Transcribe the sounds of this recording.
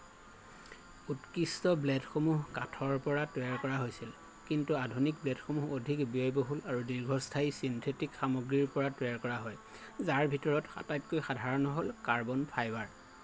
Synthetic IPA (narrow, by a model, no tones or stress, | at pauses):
utkistɔblɛdxomuɦkatʰɔɹpɔɹatɔaɹkɔɹaɦojsil | kintuadʱunik̚blɛdxomuɦodʱikbiɔjboɦulaɹudiɹɡʱɔstʰaisintʰetikxamoɡɹiɹpɔɹatɛjaɹkɔɹaɦɔj | zaɹbʱitɔɹɔtxa̰tajp̚kojxadʱaɹɔnɔɦolkaɹbɔnpʰajbaɹ